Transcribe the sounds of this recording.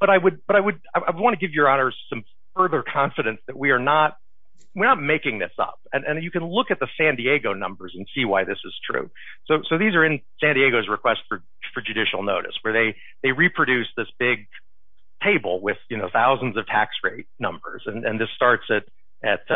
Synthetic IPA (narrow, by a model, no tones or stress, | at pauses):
b̥ʌɾaɪwɨd̚b̥ʌɾaɪwɨd̚aɪʔaɪwəd̚wɑ̃ñɨɡɪvjə˞ɑnə˞z̥sʌ̃m | fɜ˞ðə˞kʰɑ̃ɱfɨɾɨ̃nsðɨt̚wiə˞nət̚ | wɨɹnət̚meɪkɪ̃ŋðɪsʌ̰p̚ɨ̃nʔɨ̃njɨkɨ̃nlʊkɨt̪̚ðɨsæ̃ndieɡoʊnʌ̰̃mbə˞zɨ̃n̩siwaɪðɪsɨz̥tʰɹ̥ʉ̰ | soʊsoʊðizə˞ɨ̃nsæ̃ndieɪɡoʊzɹɨkʰw̥ɛstfə˞ | fə˞d͡ʒʉɾɪʃl̩ˠnoʊɾɨ̰swə˞ðeɪ | ðeɪɹipʰɹ̥ɨɾʉsðɪsb̥ɪɡ̚ | tʰeɪbl̩ˠwɪð̥jɨnoʊθaʊzn̩zʌv̥tʰæ̰ksɹeɪt̚nʌ̰̃mbə̰˞z̥ɨ̃nʔɨ̰̃nðɪstɑɹtsɨɾ | ɨt̚